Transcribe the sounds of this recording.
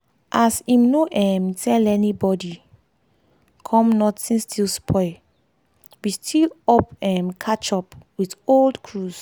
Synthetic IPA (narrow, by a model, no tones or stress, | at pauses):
ʔasimnoʔɛ̃mtʰɛlɛnibɔdi | kʰɔ̃mnɔtĩstʰilspʰɔɪ | wistʰilɔpɛ̃mkʰat͡ʃɔpwitoldkʰɹuz̥